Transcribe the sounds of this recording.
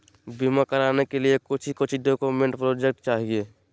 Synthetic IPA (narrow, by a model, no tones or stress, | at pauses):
bimakəɾaːnekeliekʊt͡ʃʰikʊt͡ʃʰiɖokomẽɳʈpɾoːd͡ʒek̚ʈt͡ʃaːɦieː